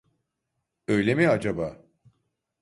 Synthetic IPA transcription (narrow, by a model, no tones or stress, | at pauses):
ø̞jlʲemiad͡ʒabaː